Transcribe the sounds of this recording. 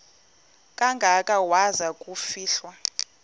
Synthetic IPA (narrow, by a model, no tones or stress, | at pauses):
kʼaŋɡʱakʼawazakʼufiːɬwa